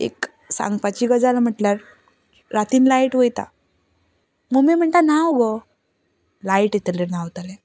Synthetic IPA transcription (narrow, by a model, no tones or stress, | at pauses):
ḛk | sa̰ŋɡpat͡ɕiɡəd͡zalam̤əʈljaɾ | ɾat̪iːnlaiʈʋəjt̪a̰ | mumem̤əɳt̪anawɡo | laiʈet̪lenawt̪ale